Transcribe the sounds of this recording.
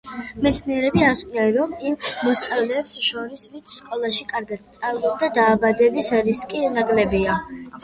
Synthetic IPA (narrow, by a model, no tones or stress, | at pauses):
mɛt̪sʰniɛɾɛbiaɾskʼnanɾɔmimːɔst̪ʼavlɛːpsʃɔɾisvint̪sʰskʼɔlˠaʃikʼaɾɡat̪st̪sʼavd̪ɔb̚d̪ad̪aːbad̪ɛbisɾiskʼinaɡlɛbia